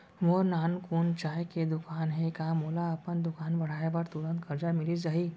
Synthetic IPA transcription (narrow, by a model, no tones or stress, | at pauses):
ʋoːɾnaːnkuːnt͡ʃaːjked̪ʊkaːnɦɛkamoːlaɐpənd̪ʊkaːnbɐɽ̤aːebɐɾt̪uɾə̃nt̪kɐɾd͡ʒamɪlid͡ʒaɦi